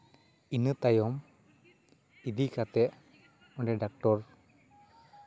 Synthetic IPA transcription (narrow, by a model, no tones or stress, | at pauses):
inːɨt̪ɐjɔm | id̪ikat̪e | ɔɳɖeɖak̚ʈɔɾ